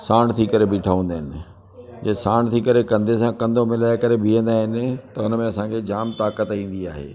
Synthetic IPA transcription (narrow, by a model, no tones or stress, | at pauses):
saːɽ̃t̪ʰikɐɾebʱiʈʰaːʋə̃ːn̆d̪aːɦɪnɪ̆ | d͡ʑesaːɽ̃t̪ʰikɐɾekɐ̃nd̪ʱesãkɐ̃nd̪ʱomɪlaːɪkɐɾebʱiə̃nd̪aːɦɪnɪ̆t̪ɐʊnəmẽɐsãkʰed͡ʑaːmt̪aːkət̪ĩːn̆d̪ia̰ːɦḛː